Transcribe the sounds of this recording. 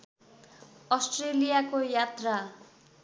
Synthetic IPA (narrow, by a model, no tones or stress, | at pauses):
ʌsʈrelijakojat̪ra